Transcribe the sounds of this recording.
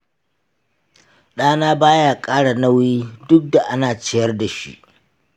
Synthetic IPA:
ɗaː˦naː˦baː˦jaː˦kʼaː˦ɽa˨na˦wjiː˦dʊ˦k̚da˨ʔa˦naː˨t͡ʃɪ˦jɐ˦rda˨ʃḭ˦ʔ

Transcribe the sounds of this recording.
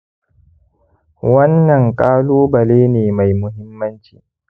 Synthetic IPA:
wɐ˦nːɐ˨ŋkʼaː˦loː˦bɐ˨leː˦neː˨ma˨jmʊ˦ɦɪ˦mːɐ˦nt͡ʃḭː˨

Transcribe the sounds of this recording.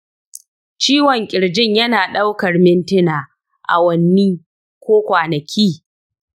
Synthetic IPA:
t͡ʃiː˦wɔ˨ŋkʲʼɪ˨ɽd͡ʒɪ˦ɲjɐ˦naː˨ɗa˦wkɐ˨rmɪ˦ntɪ˦naː˨ | ʔa̰˨wɐ˦nːiː˦ | kʷoː˦kʷaː˨nɐ˨kʲʰiː˦˨

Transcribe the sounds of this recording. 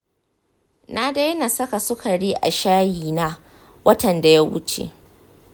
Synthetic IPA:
na˦da˦jna˨sɐ˦ka˨sʊ˦ka˨ɽiː˦ʔa̰˨ʃaː˦jiː˨naː˦ | wɐ˦tɐ˨nda˨ja˦wʊ̰˦t͡ʃḛ˨ʔ

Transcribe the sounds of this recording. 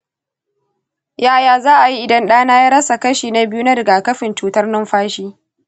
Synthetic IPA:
jaː˦jaː˨zaː˦ʔa˨ji˦ʔɪ˨dɐ˦nɗaː˦naː˦jaː˦ɾɐ˦sa˨kɐ˦ʃiː˨na˦bɪ˦ju˦na˦ɾɪ˨ɡaː˨kɐ˦ɸɪ˨nt͡ʃuː˨˦tɐ˦rnɪ˦mɸaː˦ʃiː˦

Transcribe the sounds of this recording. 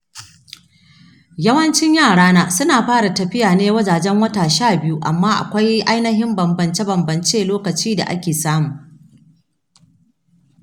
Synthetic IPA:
jɐ˦wɐ˦nt͡ʃɪ˦ɲjaː˦˨ɽaː˦naː˦sʊ˦naː˨ɸaː˦ɽa˨tɐ˨ɸɪ˦jaː˨neː˦wɐ˦d͡ʒaː˨d͡ʒɛ˦ŋwɐ˦taː˨ʃaː˦˨bɪ˦ju˦ʔa̰˨mːaː˦ʔa̰˨kʷa˦jʔa˦jnɐ˦ɦɪ˦mbɐ˨mbɐ˨nt͡ʃe˦bɐ˨mbɐ˨nt͡ʃeː˦loː˦kɐ˨t͡ʃiː˦da̰˨ʔa̰˦kʲeː˨saː˦muː˨

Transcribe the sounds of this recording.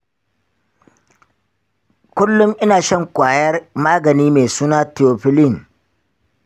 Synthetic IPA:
kʷʊ˦lːʊ˦mʔɪ˦naː˨ʃɐ˦ŋkʷaː˨jɐ˦rmaː˦ɡɐ˨niː˦meː˨suː˦naː˦tɪ˨oː˨ɸɪ˦lɪ˦˨ŋ

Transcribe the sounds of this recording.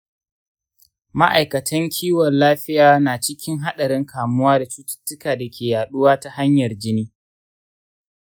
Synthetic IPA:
ma˦ʔa˨jkɐ˨tʰɐ˦ŋkʲʰiː˦wɔ˨nlaː˦ɸɪ˦jaː˦naː˨t͡ʃɪ˦kʲɪ˦ŋɦa˦ɗɐ˨ɾɪ˦ŋkʰaː˨mʊ˦waː˦da˨t͡ʃuː˦tɪ̥˦tːʊ˦kaː˨da˨kʲʰeː˨jaː˨ɗʊ˦waː˦ta˨ha˦ɲjɐ˨rd͡ʒɪ˦niː˦

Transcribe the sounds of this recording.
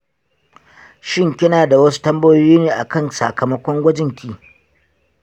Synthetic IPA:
ʃɪ˦ŋkʲɪ˦naː˨da˨wɐ˦su̥˦tɐ˦mbɐ˦jo˦jiː˦neː˨ʔa˨kɐ˦˨nsa̰˨kɐ˨mɐ˦kʷɔ˦ŋɡʷɐ˦d͡ʒɪ˦ŋkʲiː˦˨

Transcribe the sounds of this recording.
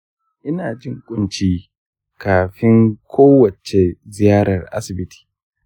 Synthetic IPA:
ʔɪ˦naː˨d͡ʒɪ˦ŋkʷʼʊ˦nt͡ʃiː˦ | kaː˨ɸɪ˦ŋkʷʰoː˦wɐ˨t͡ʃe˨zɪ˨jaː˦ɾɐ˨rʔa̰˦sɪ˨bɪ˦tʰi̥ː˨

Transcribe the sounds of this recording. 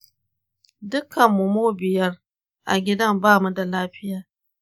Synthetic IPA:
dʊ˦kːɐ˨mːʊ˨moː˦bɪ˨jɐ˦r | ʔa̰˨ɡʲɪ˦dɐ˦˨mbaː˦mu˦da˨laː˦ɸɪ˦jaː˨

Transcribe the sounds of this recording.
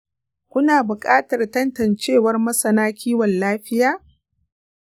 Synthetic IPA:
kʷʊ˦naː˨bʊ˨kʼaː˦tɐ˨rtɐ˦ntɐ˨nt͡ʃeː˦˨wɐ˦rmɐ˦sɐ˨naː˦kʲʰiː˦wɐ˨nlaː˦ɸɪ˦jaː˦

